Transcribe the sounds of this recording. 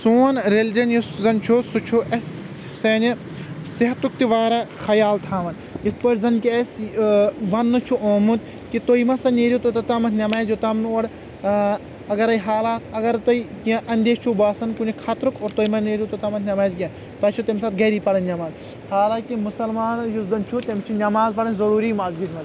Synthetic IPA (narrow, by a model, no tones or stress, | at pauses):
suːnɾeld͡ʒɐnjuszɐnt͡ʃʰusut͡ʃʰuʔɐs | seːni | siɦɐt̪ukt̪iʋaːɾɐxɐjaːlt̪ʰaːʋɐn | it̪ʰpɐɾʲzɐnkiɐs | ʋɐnːɨt͡ʃʰuʔoːmut̪ | kit̪oːjmɐsɐneːɾʲjut̪ot̪ɐt̪amɐt̪ʰnʲɐmaːzjot̪ɐmnuoɽ | ɐɡɐɾɐjɦaːlaːɐɡɐɾt̪ɐikɐʔɐnʲd̪eːt͡ʃʰubaːsɐnkunikʰat̪ɾukoːɾt̪oːjmɐneːɾjut̪ot̪ɐmɐt̪ʰnʲɐmaːzɡʲɐn | t̪ɐːt͡ʃʰut̪emsaːt̪̚ɡɐɾiːpɐɽɐnʲnʲɐmaːz | haːlaːkimusɐlmaːnɐjusd̪ɐnt͡ʃʰut̪ʲɐmt͡ʃʰinʲɐmaːzpɐɽɐnʲzɐɾuːɾiːmaːzɡid̪ʲmɐd̪